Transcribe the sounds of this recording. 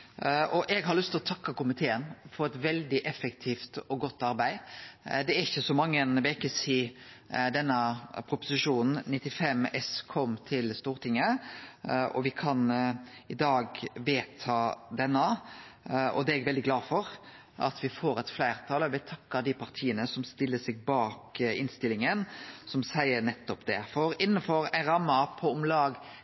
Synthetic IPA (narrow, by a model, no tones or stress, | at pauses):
ʔɔʔɛɡɦɑɾlʉst̪ʰɪlɔt̪ʰɑkːɑkʊmɪt̪ʰeːənfɔɾɛt̪ʋɛld̪ɪʔɛfəkt̪ʰiːft̪ɔɡɔt̪ːɑɾbæɪd̪ɛæɾɪçːəsɔmɑŋːəɛnʋeːkəsiːd̪ɛnːəpʰɾʊpʊ̥sɪʂuːnn̩nɪt̪ːɪfɛmɛskʰɔmt̪ʰɪlst̪uːɾt̪ɪŋːə | ʔɔ̰ʋɪkʰɑnɪd̪ɑːɡʋeːt̪ʰɑːd̪ɛnːə | ʔɔ̰d̪ɛɛɡʋɛld̪ɪɡlɑːfɔɾ | ɑ̰t̪ʋɪfoːɾɛt̪flæɪɾt̪ʰɑːləʋɪt̪ʰɑkːəd̪ɪpʰɑɾt̪ʰiːənəsɔmst̪ɪlːəsɛɡ̚bɑːkɪnst̪ɪlɪŋənsɔmsæɪəɾnɛt̪ːɔpd̪ɛfɔɾɪnːəfɔɾæ̰ɪnɾɑmːəpʰɔʊmlɑːɡ